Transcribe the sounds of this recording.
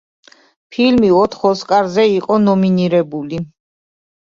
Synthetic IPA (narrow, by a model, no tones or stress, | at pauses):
pʰilmiɔt̪ʰχɔskʼaɾzɛiqʼɔnɔminiɾɛbuli